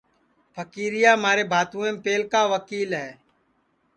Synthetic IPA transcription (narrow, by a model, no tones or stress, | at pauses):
pʰəkiːɾɪjaːmaːɾeːbʱaːt̪ũːẽːpeːlkaːʋəkiːlɦɛː